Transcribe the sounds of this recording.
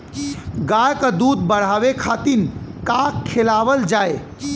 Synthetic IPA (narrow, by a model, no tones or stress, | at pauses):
ɡajkəd̪ud̪bəɽ̤abekʰat̪inkakkʰːelabəld͡ʒae